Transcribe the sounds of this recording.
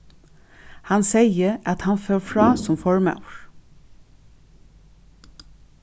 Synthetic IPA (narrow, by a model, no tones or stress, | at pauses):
hɑnseɪəʔɑt̪hɑnføːɹfɹɑːsɔmfɔɹmɑ̰ʉɹ